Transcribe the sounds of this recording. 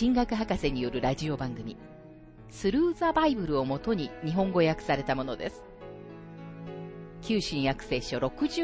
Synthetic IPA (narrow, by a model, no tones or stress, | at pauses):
ĩŋɡakɯ̟ɦakase̞ɲ̟ijo̞ɾɯ̟ɾaʑio̞bãŋɡɯ̟mʲḭ | sɨɾɯ̟ːzabaibɯ̟ɾɯ̟o̞mo̞t̪o̞ɲ̟iɲ̟iɦõ̞ŋɡo̞jakɯ̟̥saɾe̞t̪amo̞no̞d̪e̞sɨ̥ | kʲɨːɕĩɰ̃jakɯ̟̥se̞ːɕo̞ɾo̞kɯ̟ʑɨ